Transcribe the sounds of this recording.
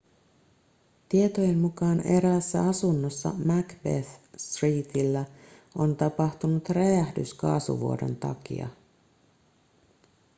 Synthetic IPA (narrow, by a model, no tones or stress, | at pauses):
t̪iet̪oje̞mmukɑːne̞ɾæsːæ̰ɑsunːosːɑ̰mækbeθst̪riːt̪ilːæo̞nt̪ɑpɑht̪unut̪reæhdyskɑːsṵʋuodo̞̰nt̪ɑ̰kḭɑ̰